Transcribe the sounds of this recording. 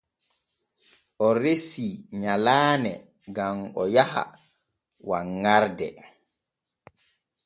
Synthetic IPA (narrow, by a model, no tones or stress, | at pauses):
ʔɔɾesiɲalaːnɛ | ɡamɔjaha̰ | waŋːaɾdɛ